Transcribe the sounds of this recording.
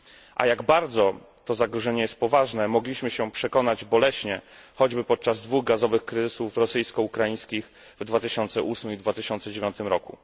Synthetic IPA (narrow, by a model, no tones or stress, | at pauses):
ʔa̰jaɡbaɾd̪zɔ | t̪ɔzaɡɾɔʐɛɲɛjɛst̪̚pɔvaʐnɛmɔɡlʲiɕmɘɕɛpʂɛkɔnad͡ʑbɔlɛɕɲɛxɔd͡ʑbɘpɔt̪̚t͡ʂazd̪vuɣɡazɔvɘxkɾɘzɘsufɾɔsɘjskɔukɾajĩj̃skʲix | vd̪vat̪ɘɕɔnt̪sɛʔusmɘmid̪vat̪ɘɕɔnt̪sɛd͡ʑevʲjɔ̃nt̪ɘmɾɔkṵ